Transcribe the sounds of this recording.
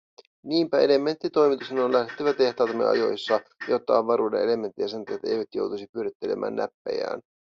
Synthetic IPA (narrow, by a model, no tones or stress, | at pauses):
niːmpæele̞mːe̞nt̪ːit̪o̞jmit̪usenonlæhet̪ːeʋæt̪e̞ht̪ɑːt̪mːeʔɑ̰jo̞̰jsːɑjot̪ːɑiʋʋɑɾuːdene̞le̞me̞nt̪ːiæsɑnt̪ɑjet̪ːæḛjʋæt̪jo̞̰wt̪usipyøɾet̪ːele̞̰mʔæ̰ːnːæ̰pːæ̰jæ̰ːn